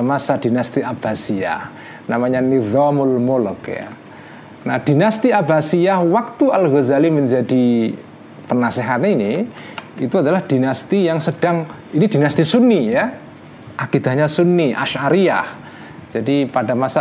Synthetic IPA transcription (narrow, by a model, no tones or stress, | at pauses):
amasad̥inast̪iʔab̥asia̰h | namaɲaniðɔmʊlmulʊkja̰ | nahd̥inast̪iabasiahwak̚t̪ualɣozaliməɲd͡ʒadi | pərnaseɦat̪ini | it̪uadalahd̥inast̪ijaŋsəd̥aŋ | inidinast̪isunːija | ʔakid̪a̤ɲasunːiʔa̰ʃaɾia̰h | d͡ʒadipadamasa